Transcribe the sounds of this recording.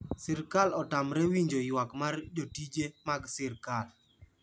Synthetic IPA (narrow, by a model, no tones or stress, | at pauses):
sɪɾkalɔtamɾɛwiɲd͡ʒojwakmard͡ʒotid͡ʒemaɡsɪɾkal